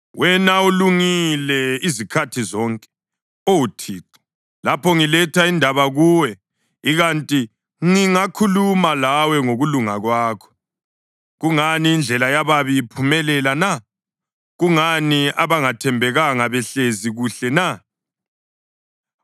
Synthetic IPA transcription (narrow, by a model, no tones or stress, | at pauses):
wɛnauluŋilɛizikʰatʰizɔŋkʼɛ̥ | owutʰiːǀɔ̥ | lapʰɔŋilɛtʰaindʱaβaɣuːwɛ | iɣantʼi | ŋiŋakʰulumalawɛŋoɣuluŋaɣwaːkʰɔ̥ | ɣuŋaniːnd͡ɮʱɛlajaβaβiipʰumɛlɛlana | ɣuŋaniaβaŋatʰɛmbʱɛɣaŋaβɛɬeziɣuɬɛna